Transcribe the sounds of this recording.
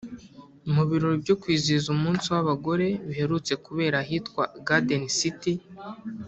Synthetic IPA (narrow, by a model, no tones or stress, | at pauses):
imuβiɾoɾobɟo̞kwiːzizumuːnsiwaβaɡo̞ɾe̞βihe̞ɾut͡se̞kuβe̞ːɾahitkwaɡadenisiti